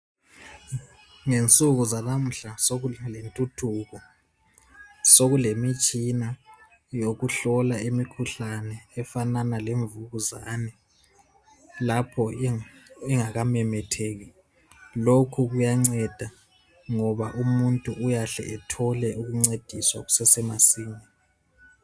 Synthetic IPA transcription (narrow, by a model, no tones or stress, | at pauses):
ŋent͡sʼuɣuzanam̩ɬasoɣlentʼutʰuːɣɔ | soɣulemit͡ʃʼina | joɣuɬɔlaemikʰuɬanɛːfananaleɱvuɣuzaːnɛ | lapʰɔ | ɛŋaɣamɛmɛtʰeːɣi | lokʰuɣujaŋ͡ǀɛd̥ʱa | ŋɔβaʔumuntʼuʔujaɬɛ̰ʔɛtʰɔlɛʔuɣuŋ͡ǀed̥ʱiswa̰ɣu̥sɛsɛmasiːɲɛ